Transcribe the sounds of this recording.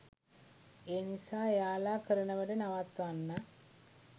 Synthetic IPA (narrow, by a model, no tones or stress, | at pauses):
eːnisaːjaːlaːkəɾənəʋəʈənaʋat̪ʋanːa